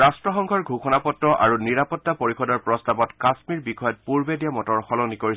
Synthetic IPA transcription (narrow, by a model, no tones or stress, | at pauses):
astɹɔxɔŋkʰɔɹɡʱuxɔnapɔtːɔʔa̰ɹuniɹapɔtːapoɹixɔdɔɹpɹɔstabɔtkasmiɹbikʰɔjɔt̚puɹbedijamɔtɔɹxɔlɔnikoɹis